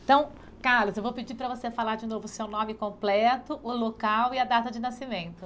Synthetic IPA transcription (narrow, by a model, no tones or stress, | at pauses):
t̪ɐ̃w̃ | kaɾlʊzewvowpɪd͡ʒipɾɐvosefalaɾd͡ʒɪnovʊsewnõmɪkõplɛt̪ʊʔʊlokawiɐd̪at̪ɐd͡ʒɪnasimẽnt̪ʊ